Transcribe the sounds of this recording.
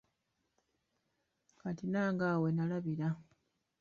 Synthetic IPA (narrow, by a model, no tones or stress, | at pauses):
katinaːŋɡaːwe̞nalaβiɾa